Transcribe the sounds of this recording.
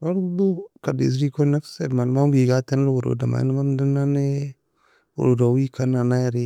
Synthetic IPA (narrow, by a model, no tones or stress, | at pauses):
waɾudukadḛz̬ɾikonaksedmanmauɡiɡatenlwoɾo̰dama̰nmamdinane | wo̰ɾodawikananaɾi